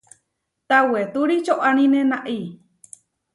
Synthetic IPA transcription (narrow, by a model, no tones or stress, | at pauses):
t̪awet̪uɾit͡ʃoʔanĩnenaʔi